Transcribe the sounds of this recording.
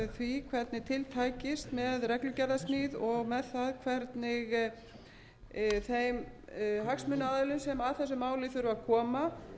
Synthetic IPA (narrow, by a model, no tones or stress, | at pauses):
θvikʰvɛɾt̪nɪt̪ʰɪlt̪ʰaːjcɪst̪mɛðrɛklʏcɛɾðasnɪðɔɣmɛðθaðkʰvɛɾt̪nɪɣ | θejm | ɦaksmʏnːaaːðʏlʏnsɛmaðθɛsːʏmaːwlɪθʏɾvʏvakʰɔːma